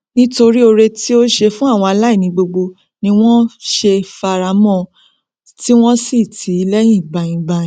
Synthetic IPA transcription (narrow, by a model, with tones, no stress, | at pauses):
nĩ˦to˧ɾi˦o˧ɾe˧ti˦o˦ʃe˧fũ˦a˦˨w̃ɔ̃˧a˧la˦i˦˨nĩ˧ɡ͡bo˧ɡ͡bo˧ | nĩ˧w̃ɔ̃˦ʃe˧fa˧ɾa˨˦mɔ̃˦˧ | ti˦w̃ɔ̃˦si˦˨tʰi˨˦lɛ˦j̃ĩ˦˨ɡ͡ba˧j̃ĩ˧ɡ͡ba˧jĩ˨